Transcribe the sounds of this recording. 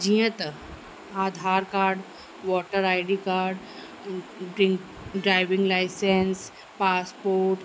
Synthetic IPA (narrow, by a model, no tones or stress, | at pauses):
d͡ʑĩjət̪ | ad̪ʱaɾkaɾɖ | ʋɔʈəɾajɽikaɾɖ | ɖɾiŋk | ɖɾajʋiŋɡlajsens | paspoːɾʈ